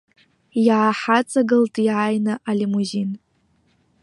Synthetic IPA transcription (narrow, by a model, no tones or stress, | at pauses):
jaːħat͡sʼaɡɨltʼiajnɨʔalimuzin